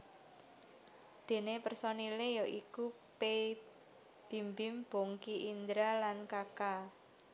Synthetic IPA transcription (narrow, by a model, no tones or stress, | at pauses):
d̪̥e̤nepərsɔnilejɔʔiku | pe | b̥i̤mbɪmb̥oŋkiʔind̪ɾalankaka